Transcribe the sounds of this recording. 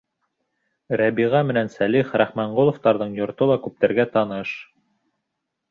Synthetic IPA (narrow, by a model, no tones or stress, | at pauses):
ɾæbiʁɑmɘ̆nænsæliχɾæχmæɴʁolˠŏft̪ɑɾðɤɴjŏɾt̪olˠɑkʉp̚t̪æ̆ɾɡæt̪ɑnɤʃ